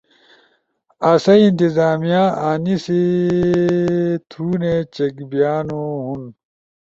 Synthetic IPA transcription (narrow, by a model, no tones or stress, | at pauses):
ɐsɐint̪izaːmijãaːnisi | t̪ʰuːnet͡ɕekbijaːnoɦun